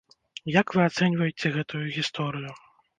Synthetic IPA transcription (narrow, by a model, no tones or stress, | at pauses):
jakvɨat̪sɛnʲvɐjet͡sʲɛɣɛt̪ujuɣʲist̪ɔɾɨju